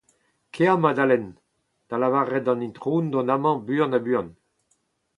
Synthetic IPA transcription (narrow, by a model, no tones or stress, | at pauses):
kʰeamad̪alɛn | d̪̥alavaʁɛdɑ̃nĩnt̪ʁuːnd̪ɔ̃namɑ̃byɑ̃nabyɑ̃n